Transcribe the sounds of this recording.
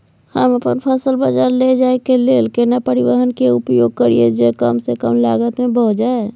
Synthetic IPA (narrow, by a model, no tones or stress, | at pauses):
həməpənpʰəsəlbəd͡ʒaɾled͡ʒaekelelkenapəɾiwəɦənkeupjoɡ̚kəɾied͡ʒekəmsekəmla̰ɡət̪mẽbəɦd͡ʒae